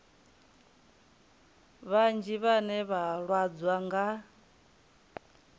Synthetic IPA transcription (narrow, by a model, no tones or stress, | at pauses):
βand͡ʒiβanɛβaɺwad͡zwaŋɡa